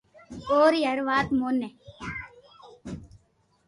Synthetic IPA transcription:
oːɾjɐɾʋaːt̪moːnːe

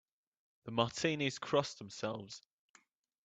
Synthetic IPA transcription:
ðəmɑˑtʰĩːniz̥kʰɹ̥ɒsðə̃msɛlˠvz̥

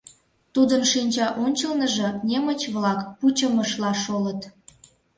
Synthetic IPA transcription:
t̪ud̪ənʃinʲt͡ɕɑʔonʲt͡ɕəlnəʒə̆nemət͡ɕβlɑkput͡ɕəməʃlɑʃolət̪

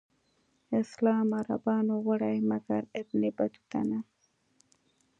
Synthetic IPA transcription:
ɪslɑːmaɾa̰bɑːnowaɽajmakaɾɪb̪nibat͡ʃu̥t̪a̰na

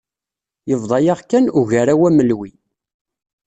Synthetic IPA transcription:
jəvðˤɑjaʁkːænuʝæɾawæməlwi

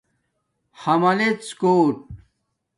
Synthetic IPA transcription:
hɐmɐlet̪skoːʈ̚

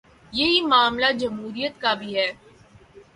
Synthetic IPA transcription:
jeɦimaːmlad͡ʒɐmɦuːɾijət̪kabʱiɦɛː

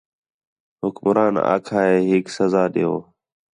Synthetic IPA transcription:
ɦʊkmɾaːna̰ːkʰaːɦeːɦɪːksəzaːɗeːoː

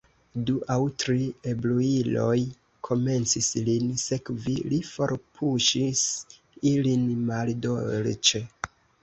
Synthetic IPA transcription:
duʔawtɾie̞bluilo̞̰j | kʰo̞me̞nt͡sislinse̞kvilifo̞ɾpʰuʃis | ilinmaldolt͡ʃe

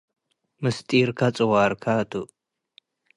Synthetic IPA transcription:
mɨstʼiːɾkʰat͡sʼɨwaːɾkʰat̪ʰu

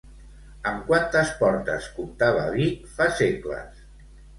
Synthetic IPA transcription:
əmkwant̪əspɔɾt̪ə̰skumt̪aβa̰βifaseklə̰s

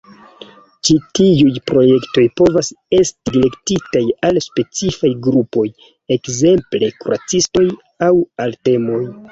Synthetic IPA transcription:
t͡ʃitiujpɾo̞je̞kto̞jpo̞vase̞stidile̞ktitajalspe̞t͡sifajɡɾupo̞j | e̞kze̞mple̞kuɾat͡sisto̞j | awalte̞mo̞j

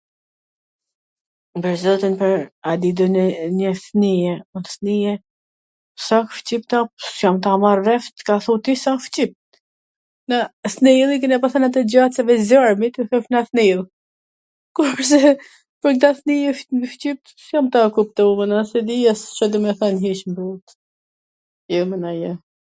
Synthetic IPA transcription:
bəɾzɔt̪inpəɾad̪id̪ɔnɛɲəθnijɛunθnijɛ | sakft͡ɕipt̪asjamt̪amarvɛft̪kaθut̪isaft͡ɕip̚t̪ | naθnɛlˠik̬ɛnapaθɛnat̪ɛd͡ʑat͡sɛvɛzaɾmit̪uθɛfnaθnilˠ | kuɾpəɾs̬ɛ | pəɾkt̪aθnijɛft͡ɕip̚t̪sjamt̪akup̚t̪ɔmənasɛd̪ijɛst͡ʃɛd̪ɔmɛθanɦiʃmbut̪ | jəmənajɛ

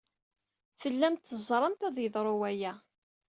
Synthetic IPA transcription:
θəlːæmt̪θəzˤɾˤəmt̪æðjəðˤɾˤʊwæjæ

